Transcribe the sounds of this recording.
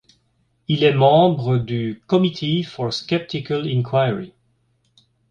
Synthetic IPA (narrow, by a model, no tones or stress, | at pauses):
ilɛmɑ̃bʁəd̪ykɔmit̪ʰefɔʁskʲɛp̚t̪ikalĩnkʰwajɹi